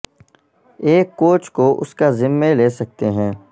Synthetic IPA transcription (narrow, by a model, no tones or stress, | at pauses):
eːkːoːt͡ʃkoʔʊ̰skazɪmːeleːsɐk̚t̪eɦɛ̃ː